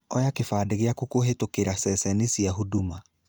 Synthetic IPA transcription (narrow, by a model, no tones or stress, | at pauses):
ɔjakefaːdeɣeakukoɦetokeɾasɛsɛnesiaɦuduma